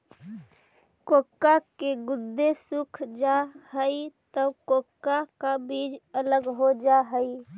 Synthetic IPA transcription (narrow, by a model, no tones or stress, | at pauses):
kokːakeɡʊd̪ːesukʰd͡ʒahəit̪əkokːakabid͡ʒələɡɦod͡ʒaɦəi